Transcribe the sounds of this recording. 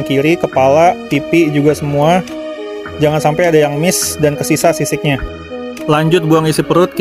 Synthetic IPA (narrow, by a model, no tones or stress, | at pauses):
ŋkiɾikəpalap̪ipid͡ʒuɡasəmua | d͡ʒaŋansampajadajaŋmɪsdankəsisasisɪk̚ɲa | laɲd͡ʒʊt̪̚buaŋisipəɾʊt̪̚k